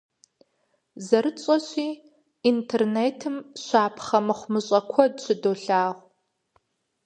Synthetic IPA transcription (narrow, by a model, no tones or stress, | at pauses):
zɐɾɨt͡ɕʼɐɕiː | intʰerneːtʰɨmɕʷaːpʰχɐmɨχʷmɨɕʼɐkʷʰɔdɕʰɨdoːɬaːʁʷ